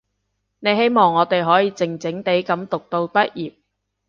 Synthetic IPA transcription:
ne˨˧jɦe˥jmɔː˨˩ŋːɔː˨˧t̪e˨jɦɔː˨˥jiː˨˧t͡sɪ˨ŋt͡sɪ˨˥ŋt̪e˨˥jkɐ˨˥mt̪ʊ˨k̚t̪o˧wpɐ˥t̚jiː˨p̚

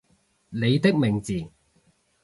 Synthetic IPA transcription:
le˨˧jt̪ɪ˥k̚mɪ˨˩ŋt͡siː˨˩

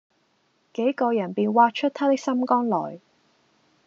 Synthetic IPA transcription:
ke˨˥jkɔː˧jɐ˨˩npiː˨˧nwaː˧t̚t͡ʃʰɵ˥t̪̚ʰaː˥t̪ɪ˥k̚sɐ˥mkɔː˥ŋlɔː˨˩j

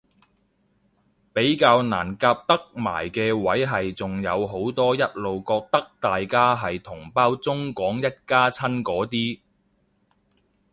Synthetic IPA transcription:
pe˨˥jkaː˧wna̰ː˨˩nkaː˧p̚t̪ɐ˥k̚ma̰ː˨˩jkɛː˧wɐ˨˥jɦɐ˨jt͡sʊ˨ŋjɐ˨˧wɦo˨˥wt̪ɔː˥jɐ˥t̚lo˨wkɔː˧k̚t̪ɐ˥k̚t̪aː˨jkaː˥ɦɐ˨jt̪ʰʊ˨˩ŋpaː˥wt͡sʊ˥ŋkɔː˨˥ŋjɐ˥t̚kaː˥t͡sʰɐ˥nkɔː˨˥t̪iː˥

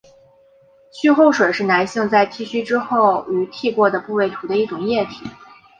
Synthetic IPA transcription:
t͡ɕʰy˥xo˥˩ʊʂwe˨˩ɪʂɻ̩˥˩na˧˥ɪɕi˥˧ŋt͡sa˥˩ɪt̪ʰi˥˩ɕy˥ʈ͡ʂɻ̩˥xo˥˩ʊy˧˥t̪ʰi˥˧kwɔ˥˩d̪ə˩pu˥˧we˥˩ɪt̪ʰu˧˥d̪ə˧i˥˩ʈ͡ʂʊ˨˩ŋjɛ˥˩t̪ʰḭ˨˩˦

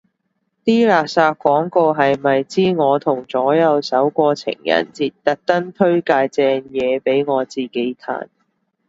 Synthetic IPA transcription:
t̪iː˥laː˨˩k̚saː˧t̚kʷːwɔː˨˥ŋko˧wɦɐ˨jmɐ˨jt͡siː˥ŋɔː˨˧t̪ʰʊ˨˩ŋt͡sɔː˨˥jɐ˨˧wsɐ˨˥wkʷɔː˧t͡sʰɪ̰˨˩ŋjɐ̰˨˩nt͡siː˧t̚t̪ɐ˨˥k̚t̪ɐ˥nt̪ʰɵ˥ɥkaː˧jt͡sɛː˧njɛː˨˧pe˨˥jŋɔː˨˧t͡siː˨˩ke˨˥jt̪ʰa̰ː˨˩n

